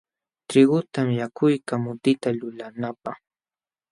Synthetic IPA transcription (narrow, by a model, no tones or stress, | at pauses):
t̪ɾɪɢʊt̪amjakʊjkamʊt̪ɪt̪alʊlanapɑχ